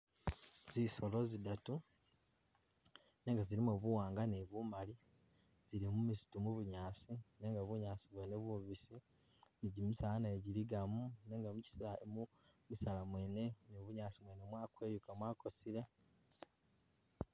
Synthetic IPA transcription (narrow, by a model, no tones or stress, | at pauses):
ziso̞lo̞zidatu | neːŋɡaziɾimoβuwaːŋɡaneβumali | zilimumisu̥tumuβuɲaːsineːŋɡaβuɲaːsiβwe̞ːneβwuβisi | niɟimusalanaeɟiliɡamuneːŋɡamuci̥silaemu | musalamwe̞ːne̞noβuɲaːsimwenemwaːkwe̞ːjukamwaːko̞sile̞